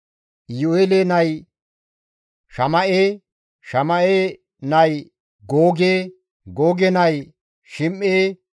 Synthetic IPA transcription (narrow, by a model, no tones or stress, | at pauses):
joeːleːnɐj | ʃɐmɐʔeː | ʃɐmɐʔeː | nɐj | ɡoːɡeː | ɡoːɡɛnɐj | ʃɪmeː